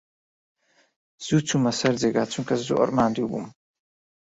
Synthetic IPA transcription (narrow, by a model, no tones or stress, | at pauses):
z̥ut͡sʰumasaɾd͡zɛɡat͡sʰunkʰʼaszṵʔɔ̰ɾmaːnd̪iubṵm